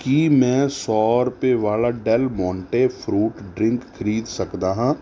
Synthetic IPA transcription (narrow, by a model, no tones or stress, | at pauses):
kimɛ̃ːsɔːɾpeʋaːlaɖɛlmɔ̃ːɳʈepʰɾuːʈɖɾɪ̃ŋkkʰːəɾiːd̪sɐkd̪aːɦãː